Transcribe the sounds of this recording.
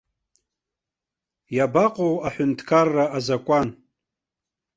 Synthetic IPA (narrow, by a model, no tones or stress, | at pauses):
jabaqʼowaħʊntʰkʰarːaazakʷʼan